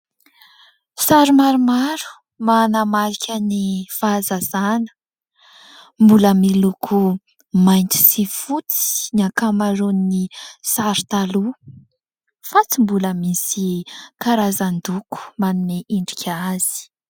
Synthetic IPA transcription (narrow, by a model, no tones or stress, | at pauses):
saɾumaɾumaɾu̥ | manamaɾikʲʰənifaːzazanə̥ | mbuləmilukʰu | majnt̪i̥sifut͡si̥niakamaɾunnisaɾi̥t̪alu | fat͡simbuləmisikaɾazand̪uku̥manuneʔiɳɖ͡ʐikʲʰaz̥i̥